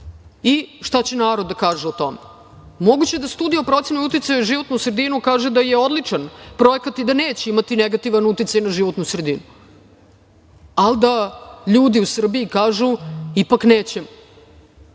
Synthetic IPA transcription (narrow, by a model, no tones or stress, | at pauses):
iʂt̪at͡ɕenaːɾo̞d̪ːakaːʒeot̪o̞me | mo̞ɡut͡ɕed̪ast̪uːd̪iopɾo̞t̪senojut̪it̪sajoʒiʋo̞t̪nusɾed̪inukaːʒed̪ajeo̞d̪lit͡ʂanpɾo̞ekat̪id̪aneːt͡ɕeimat̪ineɡat̪iʋanut̪it̪sajnaʒiʋot̪nusɾed̪inu | alˠd̪aʎuːd̪iusr̩biikaːʒuipakneːt͡ɕem